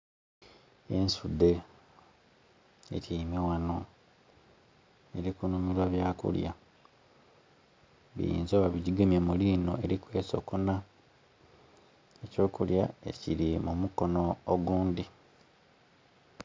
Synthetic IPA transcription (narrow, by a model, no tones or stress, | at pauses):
ensud̪e̞ | ḛtiimiwano̞ | e̞ɾikunumilwaβjaːkṵlja̰ | βḭjḭːnzoːwaβiɟiɡemjemuliːno̞e̞ɾikwe̞ːso̞̰kona | eco̞ːkulja̰e̞̰ciɾimumuko̞noːɡuːnd̪i